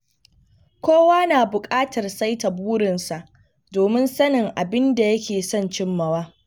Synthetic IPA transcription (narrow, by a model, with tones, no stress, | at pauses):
kʷoː˦waː˦naː˨bʊ˨kʼaː˦tɐ˨rsa˦jtɐ˨buː˦ɾɪ˨nsa˨ʔ | doː˨mɪ˦nsɐ˦nɪ˨ŋʔa˨bɪ˦nda˨jɐ˦kʲeː˨sɔ˦˨nt͡ʃɪ˦mːɐ˨waː˦